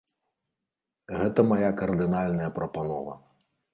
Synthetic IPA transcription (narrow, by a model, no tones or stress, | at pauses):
ɣɛt̪ɐmajakɐrd̪ɨnalʲnɐjɐpɾɐpanɔvɐ̰